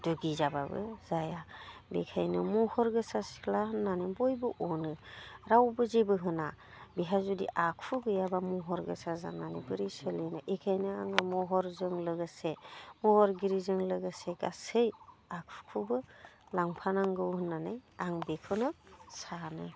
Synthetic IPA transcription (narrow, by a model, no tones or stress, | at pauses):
duɡizababɯ̰zajabḛkʰajnɯmɔhɔɾɡɯsasi̥kʰlaɦɯnːanibɔjbɯʔɔnɯɾawbɯzebɯɦɯna | biɦazudḭʔakʰuɡɯjabamuɦɔɾɡɯ̰saza̰nanibɯɾisəlinɯʔekʰajnɯaŋamɔɦɔɾzɯŋlɯɡɯsemɔhɔɾɡiɾizɯŋlɯɡaseɡasɯjakʰu̥kʰubɯlaŋpʰanaŋɡɯwhɯnːanajaŋbekʰɯnɯsanɯ̰